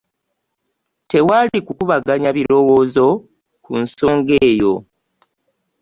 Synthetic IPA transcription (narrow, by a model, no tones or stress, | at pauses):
te̞walikukuβaɡaɲaβiɾo̞wo̞ːzo̞ | kunso̞ːŋɡe̞ːjo̞